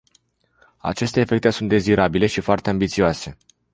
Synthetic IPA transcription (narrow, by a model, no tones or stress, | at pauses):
a̰t͡ʃe̞st̪eːfe̞k̚t̪e̞sunt̪̚d̪e̞ziɾabile̞ʃifoart̪e̞ambit̪sioase̞